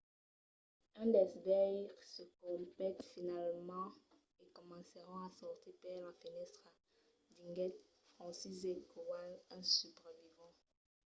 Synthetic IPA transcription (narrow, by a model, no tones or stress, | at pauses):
ɛ̃d̪ɛsbɛjsəkɔ̃plɛt̪finalmɑ̃ | ekɔmɑ̃səʁɔ̃asɔʁt̪epɛʁlafinɛtχa | d̪iŋɡɛt̪ | fχɑ̃sizeɡowanɛ̃sypʁəvivɑ̃